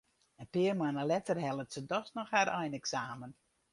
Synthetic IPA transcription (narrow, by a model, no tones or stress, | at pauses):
əpɪərmanəlɛtərɦɛlˠətsədɔsnɔxhaɾʔɛjnɛksaːmən